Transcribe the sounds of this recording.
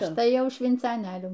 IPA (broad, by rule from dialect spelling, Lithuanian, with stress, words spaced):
ˈɐʃ ˈtɐɪ ˈjɛʊ ʃʲʋʲɪnt͡sɐˈnʲeːlʲuː